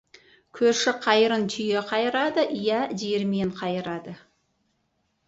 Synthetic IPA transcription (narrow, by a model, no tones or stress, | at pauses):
kʲʰɵɾʃɪqʰɑjəɾənt̪ʰʏjeqʰɑjəɾɑd̪əʔijɑd̪eɾme̞ɴqʰɑjəɾɑd̪ə